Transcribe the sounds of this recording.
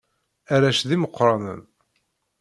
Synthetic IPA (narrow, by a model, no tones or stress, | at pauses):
aɾæʃðiməqːɾˤɑnə̰n